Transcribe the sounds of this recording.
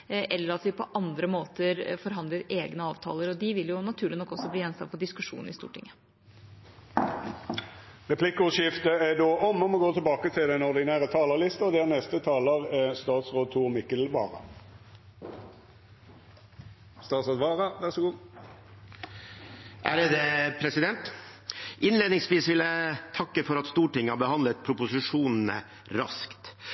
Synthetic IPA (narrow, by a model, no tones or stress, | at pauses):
ʔɛlːəɾɑt̪ʋɪpʰɔʔɑnd̪ɾəmoːt̪əɾfɔɾɦɑnd̪ləɾeːɡnəɑːʋt̪ʰɑ̰ːləɾɔd̪ɪʋɪljʊnɑt̪ʰʉːɭɪnɔkːɔsːɔbliːɛnst̪ɑ̰fɔɖɪskʉʂṵːnɾɪst̪ṵːʈʰɪ̰ŋːə | ʁɛpʰlɪkːəʊʂɪft̪əæd̪oːʔɔmɔmɔɡoːt̪ʰəlbɑːkət̪ʰɪld̪ɛnɔʁd̪ɪnæːʁət̪ʰɑːləʁlɪst̪əɔd̪æːʁnɛst̪ət̪ʰɑːləʁst̪ɑːt̪sʁoːd̪̚t̪ʰuːʁmɪkəlʋɑːʁɑ̰ | st̪ɑːt̪sɑd̪ʋɑːʁɑʋæʁsɔɡuːd̪ | ʔæɾəd̪epʰɾɛsɪd̪ɛnt̪ | ʔɪnleːd̪nɪŋsʋiːsʋɪlət̪ʰɑkːəfɔɾɑt̪st̪uːʈɪŋːhɑbəhɑnd̪lət̪̚pʰɾʊpʊsɪʂuːnn̩ə̰ | ɾɑ̰skt̪